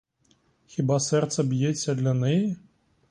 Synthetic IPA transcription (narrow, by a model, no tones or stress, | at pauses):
xʲibasɛrt̪sɐbjeːɐd̪lʲɐnɛjɛ